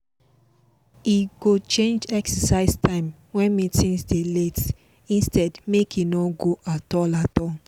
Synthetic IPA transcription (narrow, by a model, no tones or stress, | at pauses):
iɡot͡ʃẽnd͡ʒɛksəsaɪstʰãɪ̃m | wɛ̃nmitĩnsdelet | ĩnstɛdmekinɔɡoʔatɔlatɔn